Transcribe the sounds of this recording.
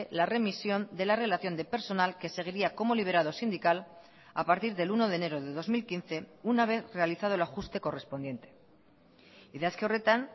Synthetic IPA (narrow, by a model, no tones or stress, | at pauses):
elare̞misjo̞nd̪e̞lare̞laθjo̞nd̪epe̞ɾso̞nalke̞se̞ɣ̞iɾiako̞mo̞liβ̞e̞ɾað̞o̞sind̪ikal | a̰paɾt̪iɾðe̞luno̞ðene̞ɾoðe̞ðo̞zmilkinθe̞unaβ̞e̞θre̞aliθað̞o̞elaxust̪e̞ko̞respo̞nd̪je̞nt̪e̞̥ | iðeaskeoret̪an